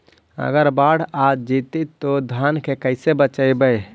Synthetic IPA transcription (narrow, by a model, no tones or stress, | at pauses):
ə̰ɡəɾbaɽ̤ad͡ʒit̪it̪ːod̪ʱankʰekəɪsebət͡ʃəjbəj